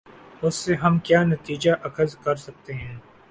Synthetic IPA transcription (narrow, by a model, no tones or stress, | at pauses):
ʊsːeɦɐmkjaːnɐt̪iːd͡ʒaʔɐkʰəzkɐɾsɐk̚t̪eɦɛ̃ː